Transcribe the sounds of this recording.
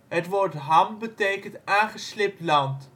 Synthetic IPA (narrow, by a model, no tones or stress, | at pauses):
ɦətʋɔrtɦɑmbətejkəntaːŋχəslɪp̚tlɑnt